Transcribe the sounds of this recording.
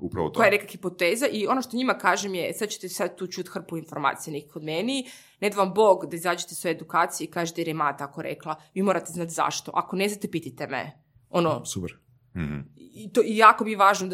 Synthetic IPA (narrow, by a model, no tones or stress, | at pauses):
upaokojajenekaxipot̪eːzaʔio̞noʃt̪oɲimakaːʒemjesad̪̚t͡ɕet̪esad̪̚t̪uːt͡ʃut̪xr̩puinfoɾma̰ːt̪sijenekixod̪meni | ned̪aʋamboːɡd̪aizaːd͡ʑet̪esʋojed̪ukaːt̪sijeikaːʒet̪eɾemaːt̪aakoɾḛklˠaʋiːmoɾat̪eznaːt̪za̰ʃt̪o̞̰ʔako̞neznat̪epit̪it̪emḛ | ono̰supɛɾ | it̪oijaːkomieʋaːʒno